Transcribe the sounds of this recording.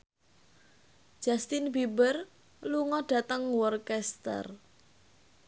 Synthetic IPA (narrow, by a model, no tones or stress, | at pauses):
ʒ̥ast̪inbibər | luŋɔɖ̥ä̤t̪əŋwɔrkɛst̪ə̰r